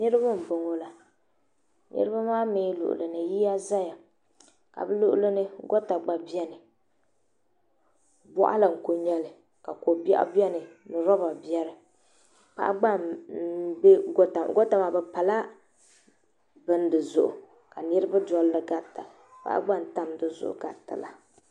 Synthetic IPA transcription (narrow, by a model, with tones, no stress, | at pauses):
nɨ˦ɾɨ˦ba˦m̩˨bɨ˨ŋo˦la˨ | nɨ̰˦ɾɨ˦ba˦maː˦me˦lʊ̰˨ʔʊ̰˨lɨ˨nɨ˨ji˦ja˦za˦ja˨ | ka̰˨bɨ˦lʊ˦ʔʊ̰˦lɨ˦nɨ˦ɡɔ˦ta˨ɡ͡ba˨bi˦ɛ˦nɨ˨ | bɔ̰˦ʔa̰˦la˨ŋ̩˨ko˨ɲɛ˦lɨ˨ | ka˨ko˨ba̰˦ʔbjɛ˦nɨ˨nɨ˨ɾɔ˦ba˨bi˨˦ɛ˦ɾɨ˨ | pa̰˦ʔa˦ɡ͡ba˦˨m˦ | bɛ˦ɡo˦ta˨m̰˨ɡo˦ta˨maː˨bɛ˨pa˨la˦ | bɨ˦n˦dɨ˨zʊ˨ʔʊ̰˨ | ka˨nɨ˦ɾɨ˦ba˦dɔ˦lːɨ˦˨ɡa˦tːa̰˨ | pa̰˦ʔa̰˦ɡ͡ba˦n˨ta˦m˨dɨ˨zʊ̰˦ʔʊ̰˨ɡa˨tːa̰˨la˨